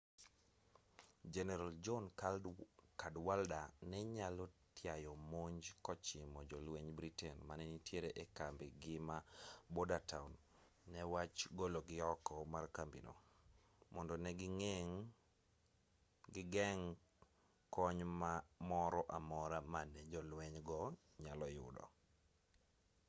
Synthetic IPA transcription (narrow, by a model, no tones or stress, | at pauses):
d͡ʒɛnɛɾald͡ʒɔn | kadwaldanɛɲalɔtjajɔmoɲd͡ʒkɔt͡ʃimɔd͡ʒɔlweɲbɾitɛnmanɛnitjeɾeʔekambɪɡɪmabodataunː | ɛwat͡ʃɡoloɡɪɔkɔmarkambḭno̰ | mɔndɔnɛɡɪŋeŋ | ɡɪɡɛŋ | kɔɲmamɔɾɔʔamɔɾamanɛd͡ʒɔlwɛɲɡɔ | ɲalɔjʊ̰dɔ̰